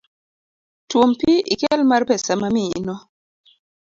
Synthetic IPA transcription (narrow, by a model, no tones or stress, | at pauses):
twompiikɛlmarpɛsamaminɔ